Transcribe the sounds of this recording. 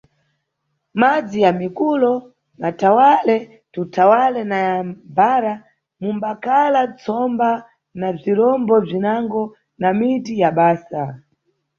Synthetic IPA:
mad͡zijamikulɔ | matawalɛ | tutʰawalɛnajambaɾa | mumbakalat͡sʰɔmba | naviɾɔmbɔb͡ʐinaŋɡɔ | namitijaɓaːsa

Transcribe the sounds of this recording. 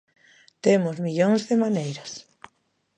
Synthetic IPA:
t̪emʊzmiʎoŋzðemanejɾas

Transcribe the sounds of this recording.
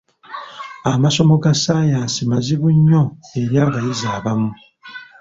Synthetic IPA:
amaso̞mo̞ɡasajaːsimaziβuɲːoe̞ɾjaːβajizaːβamu

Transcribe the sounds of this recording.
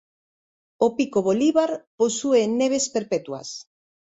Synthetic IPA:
opikoβoliβaɾposuenːeβ̞espeɾpet̪wa̰s

